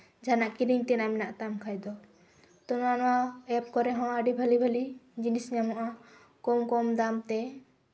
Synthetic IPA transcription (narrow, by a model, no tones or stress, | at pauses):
d͡ʒʱanaʔkiɾiŋt̪ɛnamɛnaʔt̪amkʰajd̪ɔ | t̪ɔnanɔwaɛp̚kɔɾɛɦɔ̃əɖibʱalibʱalid͡ʒinisɲamɔ̃ʔa | kɔmkɔmd̪amt̪ɛ